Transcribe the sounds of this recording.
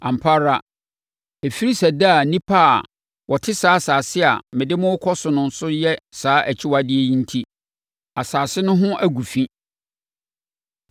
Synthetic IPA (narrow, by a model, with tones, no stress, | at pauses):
ã˨m̩pʰa˦ɾa˦ | e˨fi˦ɾi˦sæ˨da˦˨nĩ˦pʰa˦˨ | wʔɔ˨tʰɪ˦saː˨˦saː˨sɪ˦a̰˨mɪ̃˨dɪ˦mʊ̃˦wʊ˦kʰɔ˦sʊ˨nʊ̃˨n̩˦sʊ˦jɛ˦saː˨˦ʔæ˨t͡ɕʰɪ˦wa˦dɪ˦e˦jĩ˦n̩˦tʰi˦ | a˨saː˨sɪ˦nʊ̃˦ɦʊ̃˦ʔæ˦ɡu˨fĩ˦